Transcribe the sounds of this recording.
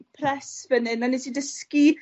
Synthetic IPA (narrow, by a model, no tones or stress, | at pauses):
pʰrɛsvənɨnanisidəski